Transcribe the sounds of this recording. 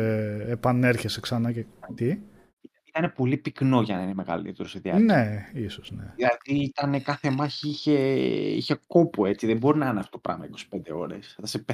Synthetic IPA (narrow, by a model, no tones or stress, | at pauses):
epɐne̞ɾçeseksɐnɐcet̪i | ilɐiit̪ɐne̞po̞lipikno̞ʝɐnɐine̞me̞ɣɐ̰lḭt̪eɾo̞seðiɐ̰neisoznḛilɐðiit̪ɐne̞kɐθe̞mɐçiiçe̞ḭçe̞ko̞pue̞t͡siðembo̞ɾinɐɐneɐft̪o̥t̪opɾʔɐ̰mɐikosi̥pe̞nd̪e̞o̞̰ɾe̞̰sðɐsepe